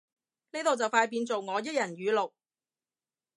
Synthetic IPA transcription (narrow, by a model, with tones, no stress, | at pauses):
ne˥t̪o˨wt͡sɐ˨wfaː˧jp̬iː˧nt͡so˨wŋɔː˨˧jɐ˥t̚jɐ˨˩nɥyː˨˧lʊ˨k̚